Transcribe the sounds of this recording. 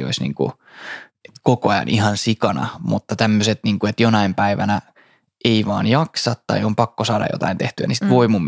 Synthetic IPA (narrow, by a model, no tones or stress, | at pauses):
o̰isnḭːŋkṵ | et̪kokoɑjɑ̰nʔihɑnsikɑnɑ̰mut̪ːɑt̪æmːøset̪niːŋkuet̪jonɑimpæiʋænæ | ʔeiʋɑ̰ːnjɑksɑt̪t̪ːɑ̰iompɑkːosɑːdɑ̰jo̰t̪ɑ̰int̪eht̪yæ̰nisi̥t̪ʋoimum